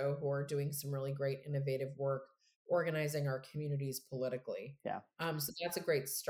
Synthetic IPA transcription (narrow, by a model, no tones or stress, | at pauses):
oʊɦuə˞dʉɪ̃ŋsʌ̃mɹɪlˠiɡɹeɪɾɪ̰̃nɨveɪɾɨvwɜ˞k | ɔɹɡɨnaɪzɪ̃ŋaʊə˞kʰmjʉnɨɾiz̥pʰəlɪɾɨklˠḭjæ̰ʌ̃msoʊðætsɨɡɹeɪtst